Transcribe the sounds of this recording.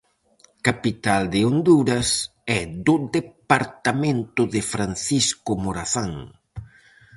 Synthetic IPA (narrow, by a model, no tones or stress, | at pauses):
kapit̪ald̪ɪond̪uɾɐs | ɛd̪ʊðepaɾt̪amẽnt̪ʊðɪfɾanθiskʊmoɾaθaŋ